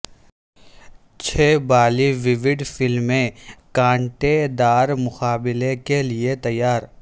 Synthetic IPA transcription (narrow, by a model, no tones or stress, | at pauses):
t͡ʃʰeːbaːliʋɪʋɪɖfɪlmːẽkãːɳʈed̪aːɾmʊxaːbɪlekeliet̪ɐjːaːɾ